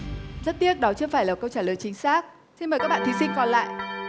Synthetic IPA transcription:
zə˦˥t̚t̪i˦˥ət̚ɗɔ˨˦t͡ɕɨ˧əfaː˧˩jlaː˨˩kə˧wt͡ɕaː˧˩ləː˨˩jt͡ɕï˨˦ŋ̟saː˦˥k̚ | si˧nmə˨˩kaː˦˥ɓaː˧˨t̪ʰi˨˦sï˧ŋ̟kɔ˧nla̰ː˧˨jʔ

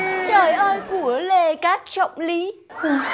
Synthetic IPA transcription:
t͡ɕəː˧˩jʔəː˧jku˧˩əle˧˩kaː˦˥k̚t͡ɕə̰˧˨wŋ͡mli˨˦˨

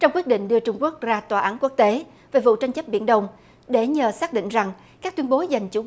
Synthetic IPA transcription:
t͡ɕɔ˧wŋ͡mkwi˦˥ət̚ɗḭ̈˧˨ŋ̟ɗɨ˧ət͡ɕʊ˧ŋ͡mku˦˥ək̚zaː˧t̪waː˨˩ʔaː˨˦nku˦˥ək̚t̪e˨˦ | ve˨˩vṵ˧˨t͡ɕa˧jŋ̟t͡ɕə˦˥p̚ɓḭ˧˩ənɗə˧wŋ͡m | ɗe˧˩ɲəː˨˩saː˦˥k̚ɗḭ˧˨ŋ̟za˨˩ŋ | kaː˦˥k̚t̪wi˧ənɓo˨˦za˨˩jŋ̟t͡ɕu˧˩˦

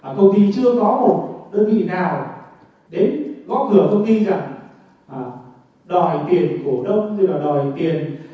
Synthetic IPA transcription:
aː˨˩kə˧wŋ͡mt̪ʰḭ˧˨t͡ɕɨ˧əkɔ˨˦mo˨˩t̚ɗəː˧nvḭ˧˨naː˨˩w | ɗe˨˦nɣɔ̰˧˦˥kɨ˧˩əfə˧wŋ͡mt̪i˧za˨˩ŋ | ʔaː˨˩ | ɗɔ˨˩jt̪i˨˩ənku˧˩əɗə˧wŋ͡mɲɨ˧laː˨˩ɗɔ˨˩jt̪i˨˩ən

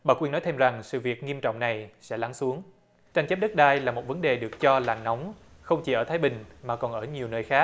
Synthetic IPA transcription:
ɓaː˨˩kwi˧nɔ˨˦jt̪ʰe˧mza˨˩ŋsɨ̰˧˨vi˨˩ək̚ŋi˧əmt͡ɕɔ̰˧˨wŋ͡mna˨˩jsɛ̰˧˥la˨˦ŋsu˨˦əŋ | t͡ɕa˧ŋ̟t͡ɕɛ˦˥p̚ɗə˦˥t̚ɗaː˧jlaː˨˩mo˨˩t̚və˨˦nɗe˨˩ɗɨ˨˩ək̚t͡ɕɔ˧laː˨˩nɔ˨˦wŋ͡m | xə˧wŋ͡mt͡ɕi˧˩ʔəː˧˩t̪ʰaː˨˦jɓï˨˩ŋ̟maː˨˩kɔ˨˩nʔəː˧˩ɲi˨˩əwnəː˧jxaː˦˥k̚

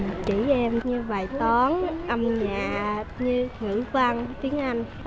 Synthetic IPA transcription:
t͡ɕi˧˩ʔɛ˧mɲɨ˧vaː˨˩jt̪ɔ˨˦nʔə˧mɲaː˨˩ɲɨ˧ŋɨ̰˧˩va˧ŋt̪i˨˦əŋʔa˧jŋ̟

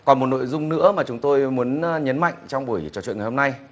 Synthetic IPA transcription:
kɔ˨˩mo˨˩t̚no̰˧˨jzʊ˧ŋ͡mnɨ̰˧˥əmaː˨˩t͡ɕʊ˨˦ŋ͡mt̪o˧jmu˨˦ənɲə˨˦nma̰˧˨jŋ̟t͡ɕɔ˧wŋ͡mɓu˧˩əjt͡ɕɔ˧˩t͡ɕwḭ˧˨nŋ˨˩ho˧ŋ͡mna˧j

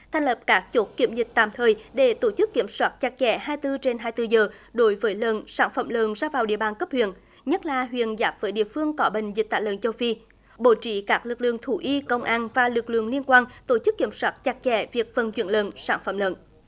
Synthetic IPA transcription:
t̪ʰɛ˧jŋ̟lə˨˩p̚kaː˦˥k̚t͡ɕo˦˥t̚ki˧˩əmzï˨˩k̟̚t̪a̰ː˧˨mt̪ʰəː˨˩jɗe˧˩t̪o˧˩t͡ɕɨ˦˥kːi˧˩əmswaː˦˥t̚t͡ɕa˨˩k̚t͡ɕɛ˧˩˦ɦaː˧jt̪ɨ˧t͡ɕe˧nɦaː˧jt̪ɨ˧zəː˨˩ɗo˨˦jvəː˨˦jləː˧˨˩nsaː˧˩nfə̰˧˩mləː˧˨˩nzaː˧vaː˨˩wɗḭ˧˨əɓaː˨˩nkə˦˥p̚hwḭ˧˨ən | ɲə˦˥t̚laː˨˩ɦwḭ˧˨ənzaː˨˦˥p̚vəː˨˦jɗḭ˧˨əfɨ˧əŋkɔ˨˦ɓï˨˩ŋ̟zi̟˨˩t̪aː˧˨lə̰ː˧˨nt͡ɕə˧wfi˧ | ɓo˧˩t͡ɕḭ˧˥kaː˦˥k̚lɨ˨˩k̚lɨ̰˧˨əŋt̪ʰu˧˩ʔi˧kə˧wŋ͡mʔaː˧nvaː˨˩lɨ˨˩k̚lɨ̰˧˨əŋli˧ənkwaː˧nt̪o˧˩t͡ɕɨ˦˥kːi˧˩əmswaː˦˥t̚t͡ɕa˨˧˩k̚t͡ɕɛ˧˩vi˨˩ək̚fə˨˩nt͡ɕwḭ˧˨ənlə̰ː˧˩nsaː˧˩nfə̰˧˩mlə̰ː˧˨n

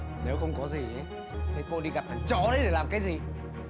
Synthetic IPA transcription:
ne˨˦wxə˧wŋ͡mkɔ˨˦zi˨˩ʔə˨˦ | t̪ʰi˨˩ko˧ɗi˧ɣa˨˩p̚t̪ə˧˩jt͡ɕɔ˧˩ɗə˨˦jɗe˧˩laː˨˩mkaː˨˦jzi˨˩

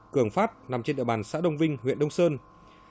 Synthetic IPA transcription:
kɨ˧˩əŋfaː˦˥t̚na˨˩mt͡ɕe˧nɗ̰ːɓaː˨˩nsa̰ː˧˥ɗə˧wŋ͡mvï˧ŋ̟ɦwḭ˧˨ənɗə˧wŋ͡msəː˧n

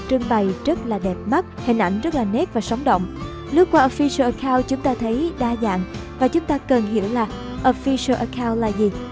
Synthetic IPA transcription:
t͡ɕɨ˧əŋɓa˨˩jzə˦˥t̚laː˨˩ɗɛ˨˩p̚mə˦˥t̚hï˨˩ŋ̟ʔa˧˩jŋ̟zə˦˥t̚laː˨˩nɛ˦˥t̚vaː˨˩sə˨˦wŋ͡mɗo̰˧˨wŋ͡m | lɨ˦˥kwaː˧ʔɔ˧˩fi˧sə˧ʔə˧kʰaː˧wt͡ɕʊ˨˦ŋ͡mt̪aː˧t̪ʰə˨˦jɗaː˧za̰ː˧˨nvaː˨˩t͡ɕʊ˨˦ŋ͡mt̪aː˧kə˨˩nɦḭ˧˩əwlaː˨˩ | ʔɔ˧˩fi˧sə˧ʔə˧kʰaː˧wlaː˨˩zi˨˩

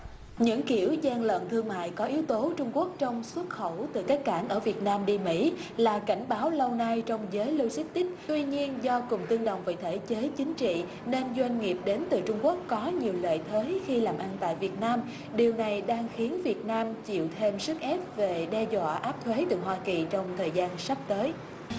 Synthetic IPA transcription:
ɲɨ̰˧˥ŋki˧˩əwzaː˧ŋlə̰˧˨nt̪ʰɨ˧əŋma̰ː˧˨jkɔ˨˦ʔi˨˦wt̪o˨˦t͡ɕʊ˧ŋ͡mku˦˥ək̚t͡ɕɔ˧wŋ͡mswə˦˥t̚xə˧˩wt̪ɨ˨˩kaː˦˥k̚kaː˧˩nʔəː˧˩vi˨˩ət̚naː˧mɗi˧mḭ˧˥laː˨˩ka˧˩jŋ̟ɓaː˨˦wlə˧wna˧jt͡ɕɔ˧wŋ͡mzəː˨˦jlu˧si˦˥k̟̚t̪ï˦˥k̟̚t̪wi˧ɲi˧ənzɔ˧kʊ˨˩ŋ͡mt̪ɨ˧əŋɗə̰˧˨wŋ͡mvḭ˨˧˨t̪ʰe˧˩t͡ɕəː˨˦jt͡ɕï˨˦ŋ̟t͡ɕḭ˧˨ | ne˧nzwa˧jŋ̟ŋi˨˩əp̚ɗe˨˦nt̪ɨ˨˩t͡ɕʊ˧ŋ͡mku˦˥əkːɔ˨˦ɲi˨˩əwlə̰ː˧˨jt̪ʰweː˨˦jxi˧laː˨˩mʔa˧nt̪a̰ː˧˨jvi˨˩ət̚naː˧m | ɗi˨˩əwna˨˩jɗaː˧ŋxi˨˦ənvi˨˩ət̚naː˧mt͡ɕḭ˧˨wt̪ʰe˧msɨ˦˥k̚ʔɛ˦˥p̚ve˨˩ɗɛ˧zwa̰ː˧˨ʔaː˦˥p̚t̪ʰwe˨˦t̪ɨ˨˩ɦwaː˧ki˨˩t͡ɕɔ˧wŋ͡mt̪ʰəː˨˩jzaː˧nsa˦˥p̚t̪əː˨˦j

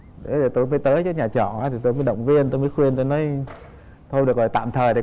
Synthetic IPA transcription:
ɗe˨˦ɗe˨˩t̪o˧jmə˨˦jt̪əː˨˦jt͡ɕɔ˨˧˦ɲaː˨˩t͡ɕɔ˧˩˨aː˨˧˦t̪i˨˩t̪o˧jməː˨˦jɗə˧˨wŋ͡mvi˧ənt̪o˧jməː˨˦jxwi˧ənt̪o˧jnɔ˨˦j | t̪ʰo˧jɗɨ˨˩ək̚lɔ˨˩jt̪a̰ː˧˨mt̪ʰəː˨˩jɗe˨˩

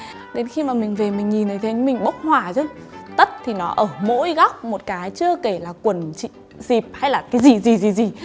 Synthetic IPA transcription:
ɗe˨˦nxi˧maː˨˩mï˨˩ŋ̟ve˨˩mï˨˩ŋ̟ɲi˨˩nʔə˨˦jt̪ʰe˨˦ɲɨ˨˧˦ŋ͡mmï˨˩ŋ̟ɓə˦˥wk͡p̚hwaː˨˩zə˧˦t̪ə˦˥t̚t̪ʰi˨˩nɔ˨˦ʔəː˧˩mo̰˧˥jɣa˦˥wk͡p̚mo˨˩t̚kaː˨˦jt͡ɕɨ˧əke˧˩laː˨˩kwə˨˩nt͡ɕḭ˧˨ | zi˨˩p̚ha˧jlaː˨˩kaː˨˦jzi˨˩zi˨˩zi˨˩zi˨˩

